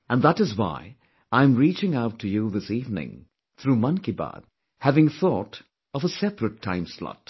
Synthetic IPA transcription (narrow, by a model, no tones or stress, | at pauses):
ə̃nðæɾɨzwa̰ɪ | ãɪ̃mɹit͡ʃɪ̃ŋaʊtʰːɨjuðɪsivnɪ̰̃ŋ | θɾumʌ̃nkiba̰d̥̚ | hævɪ̃ŋθɔɾ | ʌvəsɛpɹɨtʰːã̰ɪ̃mslɑ̰t